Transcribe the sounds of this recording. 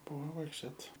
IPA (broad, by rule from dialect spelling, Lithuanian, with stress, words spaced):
ˈbʊʋoː ˈʋɐɪkʃʲt͡ʃʲoːt